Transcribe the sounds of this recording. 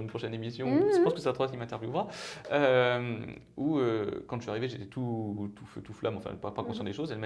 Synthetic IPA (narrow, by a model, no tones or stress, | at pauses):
ynpχɔʃɛnemisjɔ̃ʒəpɑ̃skəset̪at̪χwakʲimɛ̃t̪ɛʁvjuvʁaøm | uøkɑ̃iaʁiveʒet̪ɛt̪ʰut̪ʰufø̰t̪uflʔamɑ̃fɛ̰̃papakɔ̃sjɑ̃d̪eʃozɛlm